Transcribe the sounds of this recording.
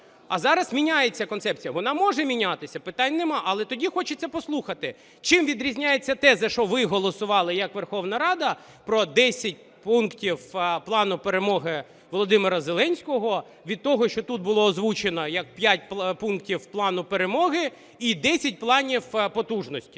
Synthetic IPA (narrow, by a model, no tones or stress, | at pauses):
ɐzɑɾɐsmʲinʲajet͡sʲːɐkɔnsɛp̚t͡sʲijɐʋɔnɑmɔʒɛmʲinʲat̪ɪsʲɐpɪt̪anʲnemɑʔɐlˠɛt̪ɔdʲixɔt͡ʃet͡sʲːɐpɔslˠuxɐt̪ɪ | t͡ʃɪmʋʲid̪ɾʲizʲnʲajet͡sʲːɐt̪ɛzɐʃɔʋɪɦɔlˠɔsʊʋɑlˠɪjɐkʋerxɔwnɐɾɑd̪ɐ | pɾɔd̪ɛsʲɐt̚ʲ | punktʲiwplˠɑnʊpeɾemɔɦɪ | ʋɔlˠɔd̪ɪmɪɾɐzelˠɛnʲsʲkɔɦɔ | ʋʲid̪̚t̪ɔɦɔʃt͡ʃɔt̪ut̪̚bʊlˠɔːzʋut͡ʃenɔjɐk̚pʲjatʲppunktʲiwplˠɑnʊpeɾemɔɦɪ | id̪ɛsʲɐt̚ʲplˠɑnʲiwpɔt̪uʒnɔsʲtʲi̥